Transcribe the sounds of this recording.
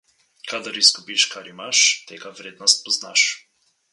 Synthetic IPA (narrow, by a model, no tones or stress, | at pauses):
kʰad̪əɾizɡubiʃkʰaɾimaʃt̪ɛɡavɾɛd̪nast̪̚pɔznaʃ